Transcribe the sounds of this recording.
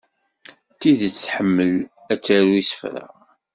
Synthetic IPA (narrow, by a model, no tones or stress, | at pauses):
t̪iðt͡sːħəmːəl | æt͡sːæɾuisə̥fɾa̰